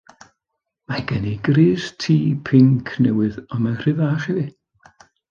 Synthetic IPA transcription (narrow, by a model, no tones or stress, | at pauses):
maɡɛniɡriːrtʰiːpʰɪŋkʰnɛwɨðɔmar̥ɨvaχiði